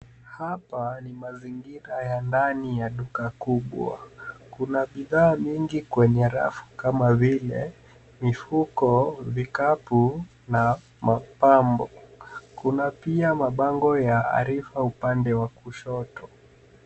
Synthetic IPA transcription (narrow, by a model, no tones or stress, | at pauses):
hapanimaziŋɡiɾajandanijaɗukakuɓwa̰kunaɓiðaːmiŋɡikwɛɲɛɾa̰fu̥kamavilɛ̰ | mifukɔvikapu | na | mapambɔkunapiamaɓaŋɡɔjaa̰ɾifaupandɛwakuʃɔtɔ